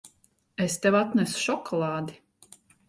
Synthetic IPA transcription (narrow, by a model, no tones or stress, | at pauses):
est̪ɛwat̪næsu̥ʃɔkʰɔlˠɑːd̪i